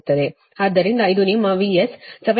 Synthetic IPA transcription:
t̪ːɐd̪e | ɐd̪ːɐɾind̪ɐid̪unimːɐʋiessɐʋɐ

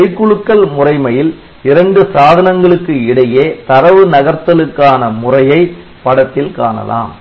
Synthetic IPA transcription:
ɐɪkːʊɻɯkːɐlmʊrɐɪmɐjɪl | ɪɾɐɳɖɯsaːðɐnɐŋɡɐɭɯkːɯɪɽɐjeːt̪ɐɾɐʋɯnɐɣɐɾt̪ːɐlɯkːaːnɐmʊrɐjɐɪ | pɐɽɐt̪ːɪlkaːnɐ̰la̰ːm

